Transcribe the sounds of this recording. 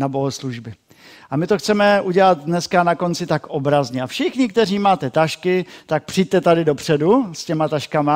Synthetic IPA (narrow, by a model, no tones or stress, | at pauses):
nabo̞ɦosluʒbɪ | ʔamɪt̪oxt͡sɛmɛʔuɟɛlad̪dnɛskanako̞nt͡sɪt̪akobɾazɲɛafʃɪxɲɪkt̪ɛr̝iːmaːt̪ɛt̪aʃkɪt̪ak̚pr̥ɪjɟ̚t̪ɛt̪adɪdo̞pr̝̥ɛduscɛmat̪aʃkama